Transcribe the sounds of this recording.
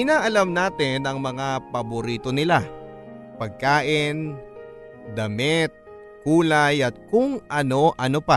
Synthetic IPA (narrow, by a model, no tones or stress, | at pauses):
ɪnaːʔɐlamnaːt̪ɪnɐŋmɐŋapɐboɾiːt̪o̞nɪla | pɐɡ̚kaːʔɪn | d̪ɐmɛt̪̚ | kuːlɐjʔɐt̪̚kʊŋʔɐno̞ʔɐnopa